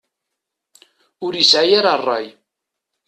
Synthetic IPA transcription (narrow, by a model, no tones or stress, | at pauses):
ʊɾjəsʕajaɾɑrˤːɑ̰j